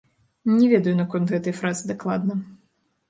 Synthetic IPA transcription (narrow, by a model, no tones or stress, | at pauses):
nʲɛvʲɛd̪ɐjunɐkɔnt̪ɣɛt̪ɐjfɾazɨd̪aklˠad̪nɐ